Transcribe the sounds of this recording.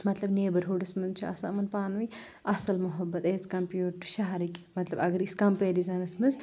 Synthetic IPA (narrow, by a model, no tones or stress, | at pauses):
mɐt̪lɐbneːbɐɾɦoːɖɐsmɨnzt͡ʃʰuɐ̰sa̰ːmɐnpaːnʋi | ʔɐsɐlmɐɦɐbːɐt̪eːt͡skɐmpjuːʈʈːu̥ʃaɦɐɾikʲmɐt̪lɐbɐɡɐɾiskɐmpeːdizɐnɐsmɨnz